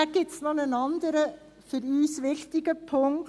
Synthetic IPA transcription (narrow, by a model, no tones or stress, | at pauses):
ɡ̥ɪsnɔnənɑnd̪əɾə | fəɾyːsʋɪçtɪɡ̥əpʰʊŋk